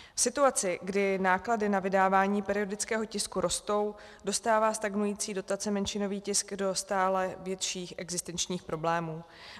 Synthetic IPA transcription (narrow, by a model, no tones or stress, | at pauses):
fsɪt̪uat͡sɪɡdɪnaːkladɪnavɪdaːvaːɲiːpɛɾɪo̞dɪt͡skɛːɦo̞cɪskuɾʔo̞st̪o̞w | do̞st̪aːvaːst̪aɡnujiːt͡siːdo̞t̪at͡sɛmɛnʃɪno̞viːcɪskdo̞st̪aːlɛvjɛt̪ʃiːxʔɛɡzɪst̪ɛnt͡ʃɲiːxpɾo̞blɛːmuː